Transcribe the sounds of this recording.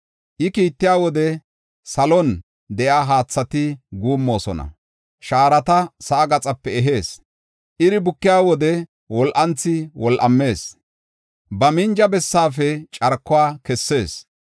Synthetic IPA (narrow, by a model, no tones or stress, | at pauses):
ʔɪkiːt̪ːɪjaːwɔd̪ɛ | sɐlɔn | d̪ɛʔaːɦaːt͡sːɐt̪ɪɡuːmːo̞ːsɔ̰nɐ̰ | ʃaːɾɐt̪ɐsɐːɡɐt͡sʼɐpːɛɛɦe̞ːs | ʔɪɾɪbʊkːɪjaːwɔd̪ɛ | wɔlʔɐnt͡sːɪwɔlʔɐmːe̞ːs | bɐmɪnd͡ʒɐbɛsːaːfɛt͡ʃʼɐɾkːɔwaːkɛsːe̞ːs